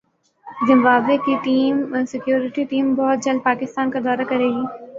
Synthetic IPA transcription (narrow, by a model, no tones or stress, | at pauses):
zɪ̃mbaːbekiʈiːmsɪkjoːɾɪʈiʈiːmbɔɦʊt̪̚d͡ʒɐl̚paːkɪst̪aːnkad̪ɔːɾakɐɾeːɡiː